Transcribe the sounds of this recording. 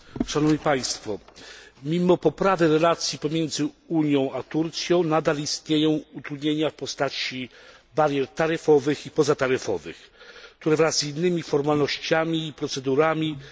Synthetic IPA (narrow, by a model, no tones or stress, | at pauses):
ʂanɔvɲipaj̃st̪fɔmʲimɔpɔpɾavɘɾɛlat̪sʲjipɔmʲjɛnd̪zɘ | uɲjɔ̃w̃at̪uɾt̪sʲjɔ̃w̃nad̪alist̪ɲejɔ̃w̃ut̪ɾud̪ɲeɲafpɔst̪at͡ɕi | baɾjɛɾt̪aɾɘfɔvɘxipɔzat̪aɾɘfɔ̰vɘ̰xkt̪uɾɛvɾazinːɘmʲifɔɾmalnɔɕt͡ɕamʲiːpɾɔt̪sɛd̪uɾamʲi